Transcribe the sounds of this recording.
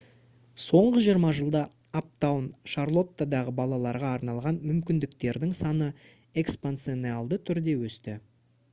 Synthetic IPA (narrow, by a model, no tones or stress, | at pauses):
so̞ɴʁəʒijəɾmɑʒəlˠd̪ɑ | ap̚t̪awnʃarlˠo̞t̪ːad̪ɑʁəbɑlˠɑlˠɑɾʁɑːɾnɑlˠʁɑnmʏmkʲɪnd̪ɪkt̪e̞ɾd̪ɪŋsɑnə | e̞kspant̪senealˠd̪ət̪ʰʏɾd̪e̞wɵst̪ɪ